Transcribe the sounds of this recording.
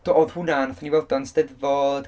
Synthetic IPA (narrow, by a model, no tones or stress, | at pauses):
d̥oɔðhunanθaniwɛlˠdɔnstɛðvɔd̥